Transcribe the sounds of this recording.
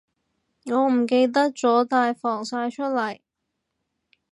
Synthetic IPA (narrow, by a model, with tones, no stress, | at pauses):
ŋɔː˨˧m̩˨˩ke˧jt̪̬ɐ˥k̚t͡sɔː˨˥t̪aː˧jfɔː˨˩ŋsaː˧jt͡ʃʰɵ˥t̚lɐ˨˩j